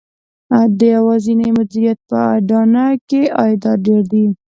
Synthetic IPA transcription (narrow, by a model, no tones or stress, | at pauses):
ad̪əjawɑzinajmad̪uɾijat̪̚pəɑjɖɑnakeɑjd̪ɑɖeɾd̪i